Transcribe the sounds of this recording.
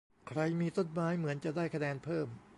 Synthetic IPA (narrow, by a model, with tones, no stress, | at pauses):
kʰɾa˧jmiː˧t̪o˥˩t̚maː˦˥jmɯ˩˦ənt͡ɕa˨˩ʔdaː˥˩jkʰa˧nɛː˧npʰɤː˥˩m